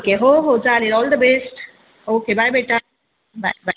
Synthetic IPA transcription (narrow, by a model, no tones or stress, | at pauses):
okeɦoɦod͡ʒaːlɪɾɔːld̪əbesʈ | oːkebajbeʈa | ba̰ɪba